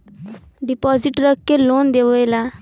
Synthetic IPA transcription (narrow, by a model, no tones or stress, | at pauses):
ɖipɔziʈɾəkːelond̪eʋɔjla